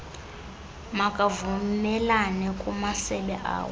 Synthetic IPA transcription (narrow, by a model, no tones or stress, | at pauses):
makʼavumɛlanɛkʼumasɛɓɛʔa̰ːwɛ